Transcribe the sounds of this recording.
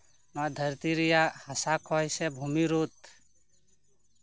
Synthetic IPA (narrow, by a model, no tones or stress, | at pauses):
naːd̪ʱəɾt̪iɾijaːhəsaːkʰɔːjseːbʱuːmiɾoːt̪